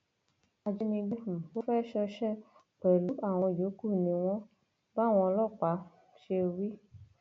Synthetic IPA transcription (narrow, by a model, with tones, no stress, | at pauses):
a˧d͡ʒi˧nĩ˧ɡ͡be˦˨bo˦fɛ˦ʃɔ˧ʃɛ˦ | k͡pɛ˨lu˨˦ʔa˦˨w̃ɔ̃˧˨d͡ʒo˨˦ku˦˨nĩ˨˦w̃ɔ̃˦ | ba˦˨w̃ɔ̃˧ɔ˧lɔ˦˨k͡pa˨˦ | ʃe˧wi˦